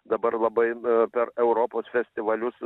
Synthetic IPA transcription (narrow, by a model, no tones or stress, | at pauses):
d̪ɐbɐɾlˠɐbɐɪpʲɛɾɛʊɾoːpoːsfʲɛsʲt̪ʲɪʋɐlʲʊs